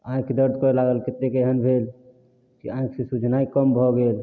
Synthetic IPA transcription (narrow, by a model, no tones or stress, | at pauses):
ãĩked̪əɾd̪ʱkɔlaɡəlket̪ːekeɦənbʱel | kḭãĩksẽsud͡ʒʱnaikəmbʱɔɡel